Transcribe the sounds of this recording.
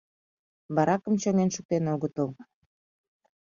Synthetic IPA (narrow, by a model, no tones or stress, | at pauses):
βɑɾɑkəmt͡ɕoŋenʃuk̚t̪enoɣət̪ol